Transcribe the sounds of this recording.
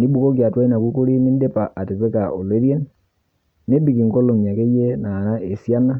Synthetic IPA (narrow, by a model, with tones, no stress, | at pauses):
ni˦bu˨ko˦k̬ja˨twa˦i˦na˨ku˦ko˦ɾi˦ni˦nde˦pa˨ʔa˨te˨twe˦ka˨o˨le˦ɾje˦n | ne˦bi˨ki˨ŋko˦lo˨mja˨ke˦je˦na˨na˦e˨sja˦na˦